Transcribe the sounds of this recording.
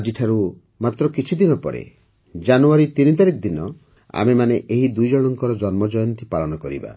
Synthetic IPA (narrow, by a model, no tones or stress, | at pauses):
d͡ʒiʈʰaɾu | mat̪ɾɔkit͡ʃʰid̪inɔpɔ̰ɾḛ | d͡ʒanuaɾit̪init̪aɾikɔd̪inɔ | a̰memaneʔeɦid̪ujd͡ʒɔɽ̃ɔŋkɔɾɔd͡ʒɔnmɔd͡ʒɔjɔnt̪ipaɭɔnɔkɔɾḭba̰